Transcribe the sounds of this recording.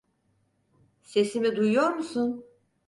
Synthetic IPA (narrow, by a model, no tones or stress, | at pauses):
se̞simid̪ujujo̞ɾmusun